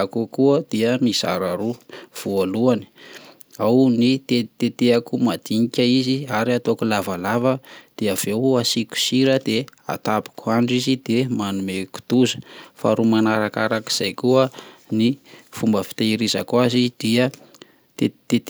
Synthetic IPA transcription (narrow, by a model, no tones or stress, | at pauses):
akukuəd̪̥iəmiza̰ɾaɾuv̥ualuani̥ | awnit̪et̪et̪eakumad̪iɲikʲəiziaɾiat̪okulavalavəd̪̥eav̥easiku̥siɾəd̪̥ea̰t̪api̥kʰuaɳɖ͡ʐizid̪̥emanumeku̥t̪uzə̥fa̰ɾumanaɾakaɾaki̥z̥ajkuənifumbəfi̥t̪eiɾiza̰kwazid̪̥iə | t̪ee